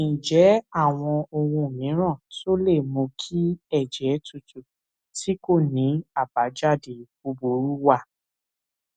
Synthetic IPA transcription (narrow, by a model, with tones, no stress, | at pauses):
ĩ˨d͡ʒɛ˨˦a˦˨w̃ɔ̃˧o˧wũ˧˨mĩ˨˦ɾ̃ã˦˨to˦le˦˨mõ˧kʰi˦ɛ˦˨d͡ʒɛ˨˦tu˦˨tu˨ | ti˦ko˦˨nĩ˨˦a˦˨ba˨˦d͡ʒa˦˨de˨bo˧bo˨˦ɾu˦wa˦˨